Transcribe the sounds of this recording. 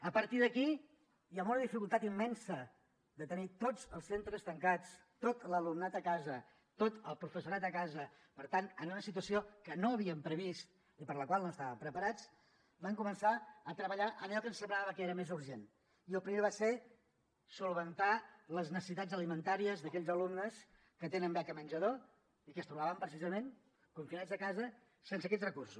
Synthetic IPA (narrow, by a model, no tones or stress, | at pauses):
əpəɾt̪iðəki | jamunəðifikulˠt̪at̪imːɛnsə | d̪ət̪ənit̪od͡zəlˠsent̪ɾəst̪əŋkat͡s | t̪ot̪ləlumnat̪əkazə | t̪ot̪əlˠpɾufəsuɾat̪əkazə | pəɾt̪ant̪ənunəsit̪uəsiokənoəβiəmpɾəβist̪ | ipəɾləkwalˠnoəst̪aβəmpɾəpəɾat͡s | baŋkumənsaət̪ɾəβəʎaʔənɛlˠkənsəmbɾaβəkeɾəmezuɾʒen | iəlˠpɾimeβase | sulˠβənt̪aləznəsəsit̪ad͡zəlimənt̪aɾiəzðəkɛʎzəlumnəs | kət̪enəmbɛkəmənʲd͡ʒəðo | ikəst̪ɾuβaβəmpɾəsizəmen | kuɱfinad͡zəkazə | sens̬əkɛt͡srəkursu